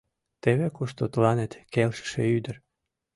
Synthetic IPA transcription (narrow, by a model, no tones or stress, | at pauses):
t̪eβekuʃt̪ot̪lɑnet̪kelʃə̥ʃeyd̪ə̆r